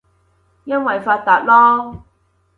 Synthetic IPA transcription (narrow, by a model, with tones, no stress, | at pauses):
jɐ˥nwɐ˨jfaː˧t̚t̪ːaː˨t̚lɔː˥